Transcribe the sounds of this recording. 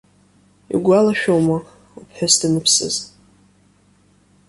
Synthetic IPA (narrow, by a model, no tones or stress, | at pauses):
ḭɡʷalaʃᶣowma | upʰħᶣasdɨnɨpʰsɨ̰z